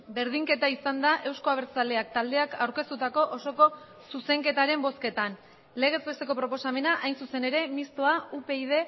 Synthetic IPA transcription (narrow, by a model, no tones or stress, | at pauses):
be̞ɾðiŋke̞t̪aisand̪aʔe̞wsko̞aβ̞e̞ɾt͡sale̞ak̚t̪ald̪e̞akawɾke̞st̪ut̪ako̞ʔoso̞ko̞ | suse̞ŋke̞t̪aɾe̞mbo̞ske̞t̪an | le̞ɣ̞e̞zbe̞st̪e̞ko̞pɾo̞po̞same̞naʔajnsuse̞ne̞ɾe̞mist̪o̞aupe̞ið̞e̞